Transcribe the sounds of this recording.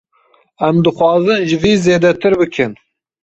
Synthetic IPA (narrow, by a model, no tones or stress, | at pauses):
æmd̪ɨxʷwɑːzɨnʒɪviːzeːd̪ɛt̪ʰɨɾbɨkʰɨn